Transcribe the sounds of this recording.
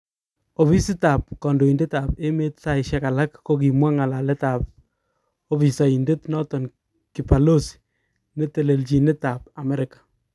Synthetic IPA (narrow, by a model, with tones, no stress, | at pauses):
o˨βi˦si˦ta˨p̚kɔ˨ndo˨i˨nde˦ta˨pe˦me˦tsa˦ɪ˨ʃɛ˦ka˨la˦kːo˦k̬i˨mwa˦ŋa˨la˨lɛ˦ta˨p̚ | o˦pi˨sa˨i˨nde˦tnɔ˦tɔ˨n | ki˨pa˨lo˦si̥ | ne˦te˨le˨lt͡ʃi˨ne˦ta˨p̚a˨mɛ˦ɾɪkḁ˨